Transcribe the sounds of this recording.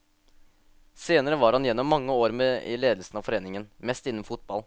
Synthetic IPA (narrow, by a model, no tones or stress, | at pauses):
seːnəɾəʋɑɾhɑnjɛnːɔmːɑŋːəoːɾmeːɪ̰leːd̪əl̩sn̩ɑʋfɔɾeːnɪŋənmɛst̪ɪnːəmfʊt̪̚bɑl